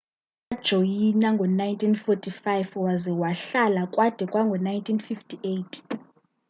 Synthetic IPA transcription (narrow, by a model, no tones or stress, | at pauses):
ad̥ʒ̥ʱɔjinaŋɡʱɔnajntʰʼinfɔtʰʼifajfwazɛwaɬalakʼwad̥ʱɛkʼwaŋɡʱɔnajntʰʼinfiftʰʼiʔejtʰʼ